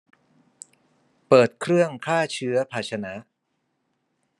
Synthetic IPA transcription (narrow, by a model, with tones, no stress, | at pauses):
pɤː˨˩t̪̚kʰɾɯ˥˩əŋkʰaː˥˩t͡ɕʰɯ˦˥ɐpʰaː˨˩t͡ɕʰa˧na˦˥